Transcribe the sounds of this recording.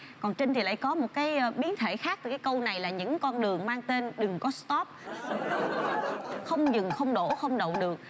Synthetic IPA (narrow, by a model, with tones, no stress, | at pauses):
kɔ˨˩nt͡ɕi˧ŋ̟t̪ʰi˨˩la̰ː˧˨jkɔ˨˦mo˨˩t̚kaː˨˦jɓi˨˦ənt̪ʰe˧˩xaː˦˥k̚t̪ɨː˨˩kːaː˨˦kə˧wna˨˩jlaː˨˩ɲɨ̰˧˥ŋkɔ˧nɗɨ˨˩əŋmaː˧ŋt̪e˧nɗɨ˨˩ŋkɔ˨˦st̪ɔ˦˥p̚ | xə˧wŋ͡mzɨ˨˩ŋxə˧wŋ͡mɗo˧˩xə˧wŋ͡mɗə̰˨wɗɨ˨˩ək̚